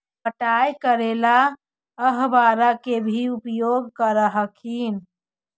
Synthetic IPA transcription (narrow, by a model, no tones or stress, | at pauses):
pəʈajkəɾela | əɦbaɾakebʱiupjoɡkəɾəɦəkʰin